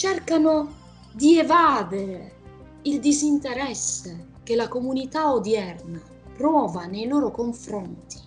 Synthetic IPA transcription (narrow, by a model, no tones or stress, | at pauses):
t͡ʃɛrkano | d̪ievaːd̪eɾe | ild̪izint̪eɾɛsːe | k̟elakomunit̪aod̪jɛrna | pɾɔːvanejlɔːɾokoɱfɾɔnt̪i̥